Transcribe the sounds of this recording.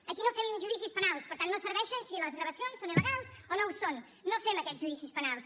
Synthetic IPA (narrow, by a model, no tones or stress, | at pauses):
əkinofɛmʒuðisispənalˠspəɾt̪anːosəɾβɛʃənsiləzɣɾəβəsionsːoniləɣalˠsonowsonː | ofɛməkɛtʒuðisispənalˠs